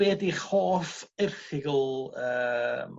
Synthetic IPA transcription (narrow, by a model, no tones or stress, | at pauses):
ɛːdiχoːfɪrχɪɡlˠəːm